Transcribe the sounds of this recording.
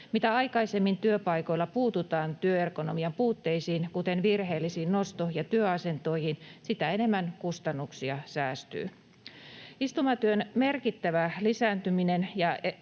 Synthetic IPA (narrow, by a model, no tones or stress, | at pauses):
mit̪æɑjkɑisemːint̪yøpɑjko̞jlːɑpuːt̪ut̪ɑːnt̪yøerko̞nomiɑmpuːt̪ːe̞jsiːnkut̪e̞nʋirhe̞ːlːisiːnno̞st̪ohjɑt̪yøɑse̞nt̪o̞ihinsit̪æene̞mːænkust̪ɑnːuksiɑsæːst̪y̰ː | ist̪umɑt̪yønmerkit̪ːæʋælisæːnt̪yminenjɑ